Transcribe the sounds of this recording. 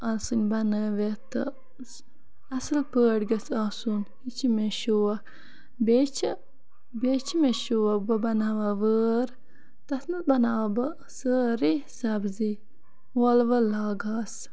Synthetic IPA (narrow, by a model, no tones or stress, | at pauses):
asunʲbɐnəʋet̪ɨ̰ | ɐsɨlpəːɽɡɐsaːsunhit͡ʃʰimeʃuwɐ | bet͡ʃʰi | bet͡ʃʰimeʃuʋɐbɐbɐnaʋaʋəːɾ | t̪ɐsnɨt̪̚bɐnaːʋabɨ | səːɾisɐbzi | wɔlʋɐlaːɡaːs